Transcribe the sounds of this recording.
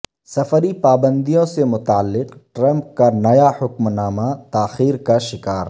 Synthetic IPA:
sɐfəɾipaːbə̃nd̪ijõsemʊt̪aːlːɪqʈɾɐ̃mp̚kanɐjahʊkmnaːmat̪aːxiːɾkaʃɪkaːɾ

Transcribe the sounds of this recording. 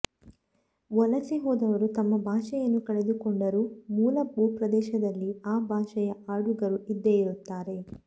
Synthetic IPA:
ʋɔlɐsiɦɔːd̪ɐʋɐɾut̪ɐmːɐbʱaːʃɛjɐnːukɐɭe̞d̪ukoɳɖɐɾumuːlɐbuːpɾɐd̪ɛːʃɐd̪ɐlːiaːbʱaːʃɛjɐʔaːɽuɡɐɾuʔid̪ːejiɾut̪ːaːɾe̞

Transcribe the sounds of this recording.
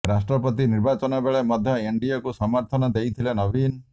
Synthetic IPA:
ɾasʈɾɔpɔt̪iniɾbat͡ʃɔnɔbeɭemɔd̪ʱjɔeɳɖiɔkusɔmɔɾt̪ʰɔnɔd̪ejt̪ʰilenɔbin

